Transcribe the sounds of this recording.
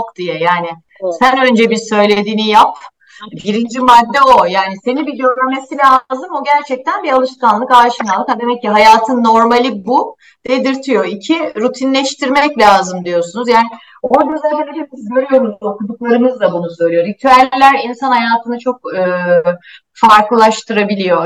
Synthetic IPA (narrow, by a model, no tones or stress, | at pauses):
okd̪̥ijɛjaːnɪ | sænø̞nd͡ʒɛbisø̞jlʲe̞d̪iːnijap | biɾind͡ʒimad̪ːɛo̞jaːnise̞nibid̪oɾamesilazɯmo̞ɟæɾt͡ʃʰɛc̚t̪ʰænbialˠɯʃkanlˠɯkaːʃɯnalˠkad̪e̞mɛcːiɦajaːt̪ʰɯnːo̞ɾmalʲibu | d̪̥ed̪iɾt̪ʰijo̞icʰiɾut̪ʰinlʲɛʃt̪ʰiɾmɛclʲaːzɯmd̪ijo̞sunuzjaːnɪ | od͡ʒyzæɦeneɾebizɟøɾyjo̞ɾuzokud̪uklˠaɾɯmɯzd̪abunusø̞ɾyjoɾit̪ʰyælʲlːʲæɾinsanhajaːt̪ʰɯnɯt͡ʃʰo̞k̚ɯː | faɾkˠɯlˠaʃt̪ʰɯɾabilʲijo̞